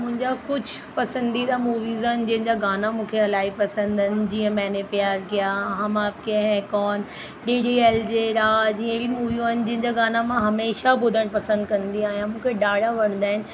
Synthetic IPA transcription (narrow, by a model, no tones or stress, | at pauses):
mʊ̃ɦɪ̃ɲd͡ʑakʊd͡ʑʱpɐsə̃nd̪id̪amuːʋiːzand͡ʑɐ̃ɦɪ̃d͡ʑaɡaːnamũːkʰeɦɐlaːipɐsə̃nd̪ɪnɪ̆d͡ʑiːə̃mɛ̃ːnepɪjaːɾkijaɦɐmaːp̚keɦɛ̃kɔːn | ɖiːɖieːld͡ʑeɾaːd͡ʑiːə̃elimuːʋijũaːɪnɪ̆d͡ʑɐ̃ɦɪ̃ɲd͡ʑaɡaːnamãɦɐmeːʃabʊd̪ʱəɽ̃pɐsə̃nd̪kɐ̃nd̪iaːɦijãmũːkʰeɖaːɽaʋɐɽ̤̃nd̪aːɦɪnɪ̆